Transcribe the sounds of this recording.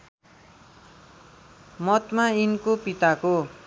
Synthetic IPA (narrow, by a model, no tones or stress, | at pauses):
mʌt̪mainkopit̪ako